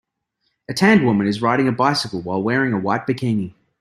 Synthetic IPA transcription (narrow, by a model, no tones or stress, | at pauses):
ɨtʰæ̃nd̚wʊmɨ̃nɨzɹaɪɾɪ̃ŋɨbaɪsɨkl̩ˠwaɪlˠwɛɹɪ̃ŋəwat̚b̥ɨkʰẽɪ̃ni